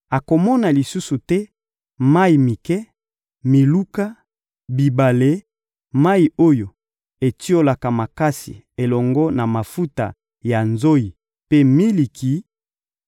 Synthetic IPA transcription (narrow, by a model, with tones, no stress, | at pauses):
a˨ko˨mɔ˦na˨li˨su˦su˨tɛ˦ | ma˦i˨mi˨kɛ˦ | mi˨lu˦ka˦ | bi˨ba˨le˦ | ma˦i˨o˦jo˨ | e˨ti˦o˦la˨ka˨ma˨ka˦sḭ˨ | e˨lɔ˨ŋɡɔ˦na˨ma˨fu˦ta̰˨ | ja˨nzo˦i˨ | pe˦mi˦li˨ki˨˦